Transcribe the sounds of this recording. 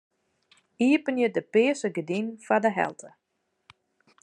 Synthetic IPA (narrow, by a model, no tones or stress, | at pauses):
iəpənjədəpɪːəsəɡədinfadəɦɛ̰lˠtʰə